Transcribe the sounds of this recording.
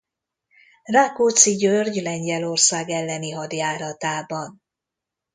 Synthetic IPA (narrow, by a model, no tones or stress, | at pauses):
raːkoːt̪siɟørɟlɛɲɟɛlo̞rsaːɡɛlːɛniɦɒd̪jaːɾɒt̪aːbɒn